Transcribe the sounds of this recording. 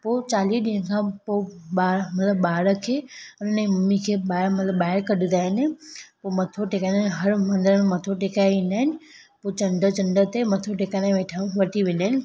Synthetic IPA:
poːt͡ɕaːliːɗiñkʰãpoːɓaːmɐt̪ləbːaːɾəkʰeːʊnʊnimɐmikʰeːɓaːɾmɐt̪ləbːaːɪɾkɐɗɪ̃nd̪aːɦɪnpomɐt̪ʰoʈekanɦɐɾmɐ̃nd̪əɾənmɐt̪ʰoʈekaːjʋĩːnd̪aːɦɪnɪ̆ | poːt͡ɕɐ̃ɳɖət͡ɕɐ̃ɳɖət̪emɐt̪ʰoʈekaːnãʋeːʈʰãʋɐʈʰiʋẽnd̪aːɦɪnɪ̆

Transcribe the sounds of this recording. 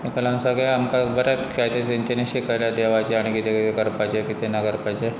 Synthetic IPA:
mikəlansaɡeamkabəɾat̪kʰajt̪eseɲt͡ɕeneɕekəɾljad̪eʋat͡ɕeaɽ̃ikit̪ʰekekəɾpat͡ɕekit̪ʰenakəɾpat͡ɕe

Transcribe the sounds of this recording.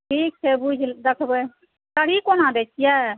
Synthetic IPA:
ʈʰiːk̚t͡ʃʰebud͡ʒʱd̪əkʰbə | kəɽ̤ikonãd̪et͡ʃʰija

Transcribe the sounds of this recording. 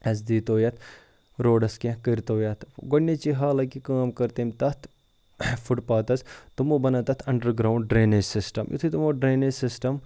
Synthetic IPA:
ɐsd̪iːt̪oːjɐt̪ʰ | ɾoːɖɐskẽkɐɾt̪oːjɐt̪ʰɡonːet͡ʃiɦaːlɐkikaːmkɐɾt̪emt̪ɐt̪ʰ | fʰuʈpaːt̪ɐst̪umoːbɐnɐt̪ɐt̪ʰɐɳɖəɾɡɾaːwɳɖɖɾeːned͡ʒsɪsʈɐmjṵt̪ʰit̪umoːɖɾeːnesɪsʈɐm

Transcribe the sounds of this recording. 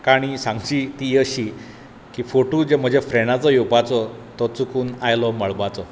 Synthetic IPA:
kaɽ̃isãŋɡd͡ʑiːt̪iːəɕi | kiːfoʈud͡ʑem̤əd͡ʑefɾeɽ̃at͡sɔjupat͡sɔt̪ɔt͡sukuːnajlɔməɭbat͡sɔ

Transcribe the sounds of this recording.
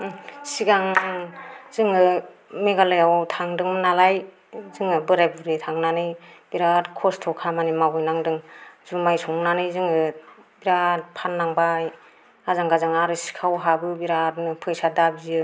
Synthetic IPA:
siɡaŋŋzɯŋɯmeɡalɯjawtʰaŋdɯŋnalaj | zɯŋɯbɯɾajbuɾitʰaŋnanɯjb̥iɾaɾkʰɔstʰɔkʰamanimawɯjnaŋdɯŋzumajsɔŋnanɯjzɯŋɯbiɾat̚pʰanːaŋbaj | azaŋɡazaŋaɾɯsi̥kʰawɦabɯbiɾaɾnɯpʰɯjsadabiziɯ

